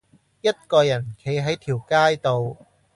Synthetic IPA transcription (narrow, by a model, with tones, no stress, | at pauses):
jɐ˥t̚kɔː˧jɐ˨˩nkʰe˨˥jɦɐ˨˥jt̪ʰiː˨˩wkaː˥jt̪o˧w